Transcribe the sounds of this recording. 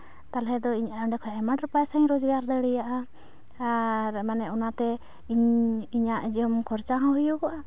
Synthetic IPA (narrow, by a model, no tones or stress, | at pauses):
t̪alɛd̪ɔiɲaɔɖɛkʰɔjaʔɛmaʈɾɛpajsaɲɾɔd͡ʒɡaɾd̪əɽɛjaʔa | ɾɛmanɛʔɔnat̪ɛ | ɲiɲaʔd͡ʒɔmkʰɔɾt͡ʃaɦãɦujɔkɔʔa